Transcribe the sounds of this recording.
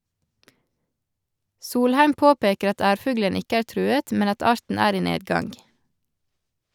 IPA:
ˈsuːlˌhæɪm ˈpoːˌpeːkəɾ ˈɑt ˈæːɾˌfʉɡlən ˈɪkə ˈæːɾ ˈtɾʉːət ˈmɛn ˈɑt ˈɑːɾtn̩ ˈæːɾ ˈiː ˈneːdˌɡɑŋɡ

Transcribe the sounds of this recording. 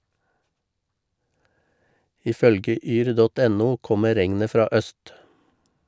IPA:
ˈiː ˈfœlɡə ˈʔyːɾ ˈdɔt ˈɛnuː ˈkɔmə ˈɾɛŋnə ˈfɾɑː ˈʔœst

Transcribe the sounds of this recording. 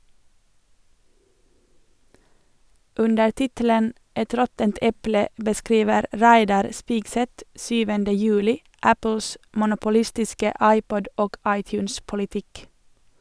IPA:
ˈʉndə ˈʈɪtələn ˈɛt ˈɾɔtənt ˈɛplə bəˈskɾiːʋəɾ ˈɾæɪdɑɾ ˈspɪɡsɛt ˈsyːʋəndə ˈjʉːlɪ ˈæpl̩s mʊnʊpʊˈlɪstɪskə ˈɑɪˌpɔd ˈoːɡ ˈɑɪˌtjʉːns pʊlɪˈtɪk

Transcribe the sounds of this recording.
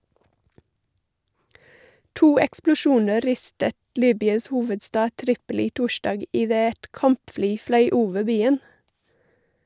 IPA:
ˈtuː ɛksplʊˈʃuːnə ˈɾɪstət ˈliːbʏɑs ˈhuːʋədˌstɑː ˈtɾɪpəˌlɪ ˈtʊˌʃɖɑːɡ ɪˈdeː ˈɛt ˈkɑmpˌfliː ˈflœʏ ˈuːʋə ˈbiːən

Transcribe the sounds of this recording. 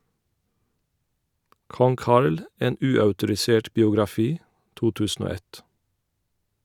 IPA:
ˈkɔŋ ˈkɑɹl ə ˈeːn ˈʉːœʉtʊɾɪˌseːʈ bɪʊɡɾɑˈfiː ˈtuː ˈtʉːsn̩ ˈoː ˈɛt

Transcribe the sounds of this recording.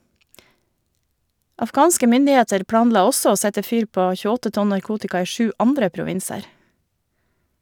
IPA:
ɑfˈɡɑːnskə ˈmʏndɪˌeːtəɾ ˈpɽɑːnˌlɑː ˈɔsɔ ˈoː ˈsɛtə ˈfyːɾ ˈpoː çʉˈɔtə ˈtɔn nɑɾˈkuːtɪkɑ ˈiː ˈʃʉː ˈʔɑndɾə pɾʊˈʋɪnsəɾ

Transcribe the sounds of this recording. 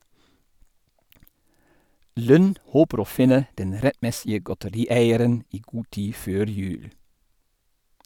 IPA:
ˈlʉn ˈhoːpəɾ ˈoː ˈfɪnə ˈdɛn ˈɾɛtˌmɛsɪə ɡɔtəˈɾiːˌæɪəɾən ˈiː ˈɡuː ˈtiː ˈføːɾ ˈjʉːl

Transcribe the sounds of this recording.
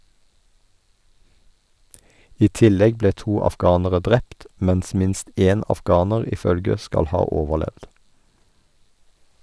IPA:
ˈiː ˈtɪˌlɛɡ ˈbleː ˈtuː ɑfˈɡɑːnəʁə ˈdʁɛpt ˈmɛns ˈmɪnst ˈeːn ɑfˈɡɑːnəʁ ˈiː ˈfœlɡə ˈskɑl ˈhɑː ˈoːʋəˌlɛʋd

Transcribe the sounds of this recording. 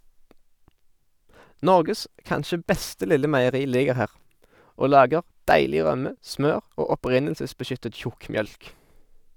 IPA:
ˈnɔʁɡəs ˈkɑnʃə ˈbɛstə ˈlɪlə mæɪəˈʁiː ˈlɪɡəʁ ˈhæːʁ ˈoː ˈlɑːɡəʁ ˈdæɪlɪ ˈʁœmə ˈsmøːʁ ˈoː ɔˈpʁɪnəlsəsbəˌʃʏtət ˈçʊkmˌjœlk

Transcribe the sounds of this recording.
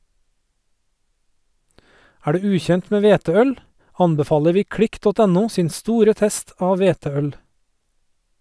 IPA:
ˈæː ˈɖʉː ˈʉːˌçɛnt ˈmeː ˈʋeːtəˌœl ˈɑnbɛˌfɑːlə ˈʋiː ˈkɽɪk ˈdɔt ˈæˌnuː ˈsiːn ˈstuːɾə ˈtɛst ˈɑːʋ ˈʋeːtəˌœl

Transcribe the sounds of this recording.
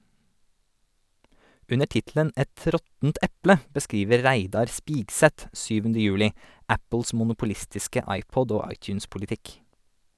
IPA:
ˈʉnə ˈʈɪtl̩ən ˈɛt ˈɾɔtn̩t ˈɛplə bəˈskɾiːʋəɾ ˈɾæɪdɑɾ ˈspiːɡsɛt ˈʃyːʋn̩də ˈjʉːlɪ ˈæpl̩s mʊnʊpʊˈlɪstɪskə ˈɑɪˌpɔd ˈoː ˈɑɪˌt͡ʃʉːns pʊlɪˈtɪk

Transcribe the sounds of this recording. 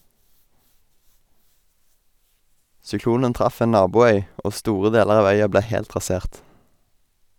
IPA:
sʏˈkluːnən ˈtʁɑf ˈeː ˈnɑːbuːˌœʏ ˈoː ˈstuːʁə ˈdeːləʁ ˈɑːʋ ˈœʏɑ ˈbleː ˈhɛlt ʁɑˈseːʁt

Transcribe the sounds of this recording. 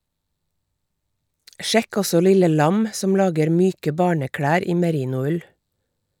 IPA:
ˈʃɛk ˈɔsɔ ˈlɪlə ˈlɑm ˈsɔm ˈlɑːɡəɾ ˈmyːkə ˈbɑːɳəˌkɽæːɾ ˈiː məˈɾiːnʊˌʉl

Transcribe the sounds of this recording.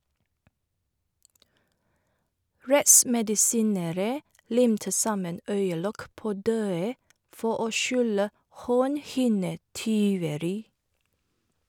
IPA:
ˈɹɛʔsmɛdɪˌsiːnəɾə ˈlɪmtə ˈsɑmən ˈœʏəˌlɔk ˈpoː ˈdøːə ˈfɔ ˈʔoː ˈʃʉlə ˈhoːnˌhɪnəˌtyːʋəɾɪ

